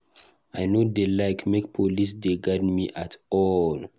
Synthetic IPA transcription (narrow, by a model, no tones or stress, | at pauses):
ajnodelaɪkʰmek̚pʰolis̬deɡadmiʔatɔl